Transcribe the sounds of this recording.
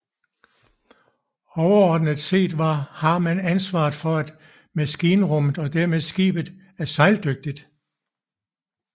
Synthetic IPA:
ɒʊɐɒːd̥nəð̥ˠse̝̰ːd̥ʋɑ̈hɑ̈mænænsʋɑ̰̈ːð̩ˠfɒ̽æd̥ | mæsɡ̥iːnəʁɔm̰ð̩ˠɒ̽d̥æɐmeðˠsɡ̥ḭːb̥əð̩ˠ | æɐsɑ̈ɪld̥øɡ̥̚d̥id̥

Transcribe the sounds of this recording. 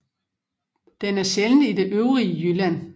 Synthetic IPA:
d̥enæɐɕelnəid̥e̝ʔøʊʁiəjylæn̰

